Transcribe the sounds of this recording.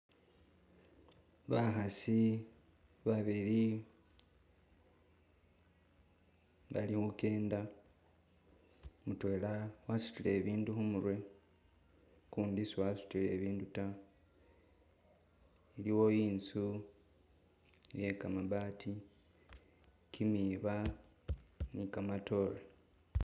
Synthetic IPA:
βaxasi | βaβiɾi | βa̰lihuke̞ːnda | mutwe̞ːlawasu̥tile̞ːβiːnduxumuɾwe̞ | kuːndisuwasu̥tile̞ːβiːnduta | iliwo̞jiːnsu | jekamaβaːtʰi | kʰimiːβa | nikamato̞ɾe

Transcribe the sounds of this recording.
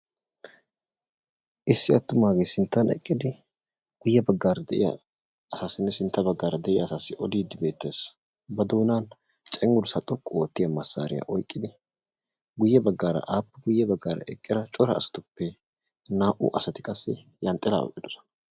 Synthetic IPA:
ʔɪsːɪɐt̪ːʊmaːɡejsɪnt̪ːɐnɛ̰kʼːɪd̪ɪ | ɡ̥ʊjːɛbɐɡːaːɾɐd̪ɛʔɪ̰jɐ̰ː | saːsːɪnːɛsɪnt̪ːɐbɐɡːaːɾɐd̪ɛʔɪjɐːsaːsːɪʔɔd̪iːd̪ːɪbe̞ːt̪ːeːs | bɐd̪oːnaːn | t͡ʃʼɛŋːʊɾsɐt̪ʼɔkʼːʊoːt̪ːɪjɐmɐsːa̰ːɾɪ̰jɐ̰ʔɔjkʼːɪd̪ɪ | ɡʊjːɛbɐɡːaːɾɐ̰ʔaːpːɐɡʊjːɛbɐɡːaːɾɐ̰ʔɛkʼːɪɾɐt͡ʃʼɔɾɐ̰ːsɐ̥t̪ʊpːɛ | naːʔʊ̰ʔɐsɐt̪ɪ̥kʼɐsːɛ | jɐnt̪ʼːɛla̰ːɔ̰kʼːɪd̪ɔsɔ̥nɐ

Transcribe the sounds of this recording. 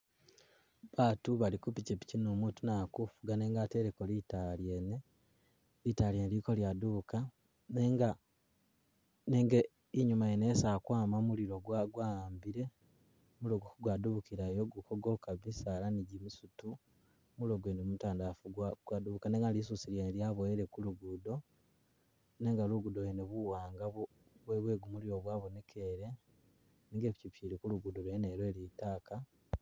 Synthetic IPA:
βaːtuβalikupicepi̥cinoːmutunakufuɡane̞ːŋɡateɾekolitalje̞ne | litaljenliko̞ljaduβuka | ne̞ːŋɡa | ne̞ːŋɡe | iɲumajene̞ːsakwaːmamuliɾo̞ɡwaɡwambiɾe̞ | muloɡokɡwaduβukiɾajoɡukoɡo̞kaβisalaniɟimisutu | muloɡwenemumutaːndafuɡwaɡ̥waduβukaneŋɡanlisusiljenljaβoeɾe̞kuluɡudo̞ | ne̞ŋɡaluɡudojeneβuwaːŋɡaβ | βweβwe̞ːɡumuliɾo̞βwaːβone̞kʰeɾe̞ | niŋɡeβicipiɾikuluɡudoɾweeneːɾwelitaːka

